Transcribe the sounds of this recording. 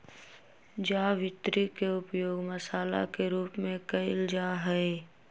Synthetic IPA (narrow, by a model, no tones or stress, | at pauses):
d͡ʒaːʋɪt̪ɾikeʊpjoːɡməsaːla̰keɾuːpmẽkɐɪld͡ʒaːɦɛe